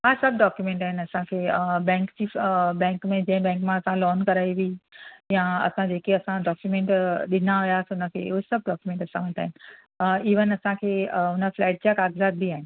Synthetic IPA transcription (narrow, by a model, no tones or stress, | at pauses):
ɦaːsɐb̚ɖɔːkjumẽːɳʈaːɦɪnɐsãkʰeːbɛ̃ːŋkd͡ʑiːbɛ̃ːŋkmẽd͡ʑɐ̃ɦɪ̃bɛ̃ːŋkmãɐsãlɔːnkɐɾaːiʋiijãɐ̰sãd͡ʑeːkeɐsãɖɔːkjumẽɳʈɗɪnaɦʊjaːsʊnə̆kʰḛːuɦesɐb̚ɖɔːkjumẽɳʈɐsãʋə̃nt̪aːɦɪnɪ̆ | iʋənɐsãkʰeːʊnəflɛːʈ̚d͡ʑakaːɡzaːd̪̚bʱiaːɦɪnɪ